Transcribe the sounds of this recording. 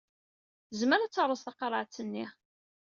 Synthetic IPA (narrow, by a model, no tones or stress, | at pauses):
zməɾat͡sːəɾˤəsθɑqɑɾˤəʕt͡sːənːi